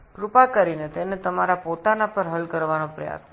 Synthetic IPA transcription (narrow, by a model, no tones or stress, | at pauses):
pɾupakəɾinet̪enet̪əmaɾapot̪anapəɾɦəlkəɾʋanõpɾəja̰s